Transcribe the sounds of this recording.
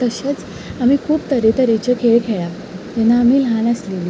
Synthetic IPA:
t̪əɕet͡s | amiːkʰuːpt̪əɾet̪əɾet͡ɕəkʰeɭkʰeɭa | t̪ɛnːaːmiːlɦãnəslili

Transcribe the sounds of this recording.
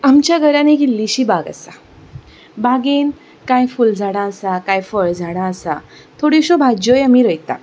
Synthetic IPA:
amt͡ɕjaɡʱəɾãneɡilːiɕiːbaɡa̰sa | baɡen | kãjfuld͡zʱaɽ̃ãəsakãjfəɽd͡zʱaɽ̃ãəsa̰ | t̪ʰoɽiɕobʱad͡ʑojamiɾəjt̪a̰

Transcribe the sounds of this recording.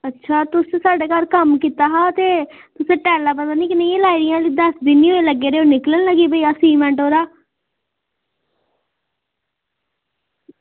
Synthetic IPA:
ətːʃʰaːt̪ʊssaːɖeːkaɾkəmkiːt̪aːɦaːt̪eː | t̪ʊsẽːʈɛːlaːpət̪aːnĩːkɪnẽeːlaːiɾɪjãːliːd̪əsd̪iːniːoːeləɡːeːɾeːoːnɪklənləɡiːbəiːasiːmɛ̃ːɳʈɦoːɾaː

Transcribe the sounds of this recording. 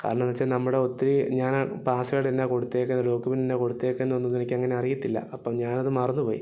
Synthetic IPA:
ka̰ːɾɐɳmenːɐt͡ɕːanɐmːuɽeo̞t̪ːiɾiɲaːnpaːsuɣaːɽt̪inːeko̞ɽut̪ːekːenɐlo̞ːkːupininːeko̞ɽut̪ːeːkːenːuonːunːenikʲːɨeŋːɐne̞ɐrijit̪ːilːɐ̰ɐpːɐmɲaːnɐðɨmɐrɐnːupoːjḭ

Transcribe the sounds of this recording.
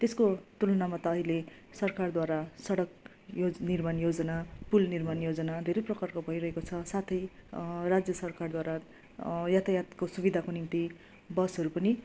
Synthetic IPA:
t̪eskot̪ulʌnamat̪ʌːɦile | sʌrkard̪waɾasʌɽʌk | jonirmanjod͡zʌnapulnirmanjod͡zʌnad̪ʱeɾʌprʌkarkobʱʌiɾʌɦekot͡sʰʌsat̪ʰʌjrad͡zjʌsʌrkard̪waɾa | jat̪ʰajat̪kosubid̪ʱakonimt̪i | bʌsʌɾupʌni

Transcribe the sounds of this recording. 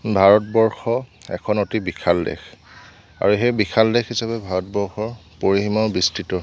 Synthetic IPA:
bʱaɹɔtbɔɹxɔɛ̰kʰɔnotibikʰaldɛ̰x | a̰ɹuɦejbikʰaldɛxisapɛbʱaɹɔt̚bɔɹxɔɹpoɹiɦimabistitɔ

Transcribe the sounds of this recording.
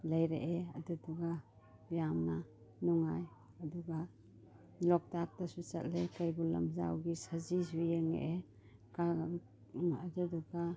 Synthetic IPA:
lajɾḛʔea̰duduɡa | jamna | nɔŋaj | aduɡa | lɔk̚tak̚tasut͡ʃa̰t̚lekajbɔla̰mzawɡisazisujeŋḛʔe | ka | aduduɡa

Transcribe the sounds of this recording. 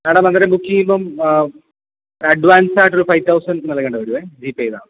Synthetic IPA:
aːɽemɐnd̪ɐɾɐbukːiumbom | ɐɖʋaːnsaːʈːolufɐjʋt̪ʰɐwsɐnɖnɐlɐkːeːɳɖɐʋɐɾiʋed͡ʑiːpːejða̰ːɨ

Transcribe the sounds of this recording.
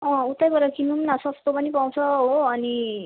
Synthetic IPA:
ʌ̃ut̪ːajbʌɾʌkinumnasʌsʰt̪opʌnipaw̃t͡sʰʌɦoːni

